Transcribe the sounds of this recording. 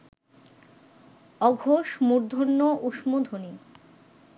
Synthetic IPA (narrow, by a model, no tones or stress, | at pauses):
ɔɡʱoʃmuɾd̪ʱonːoʔuʃmod̪ʱoni